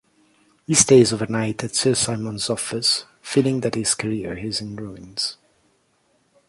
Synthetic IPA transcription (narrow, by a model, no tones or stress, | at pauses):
histeɪzovə˞naɪtɨtsɜ˞saɪmə̃nzɔfəs | filˠɪ̃ŋðɨt̚hɪz̥kʰəɹiɹɪzɪ̃nɹuɪ̃nz̥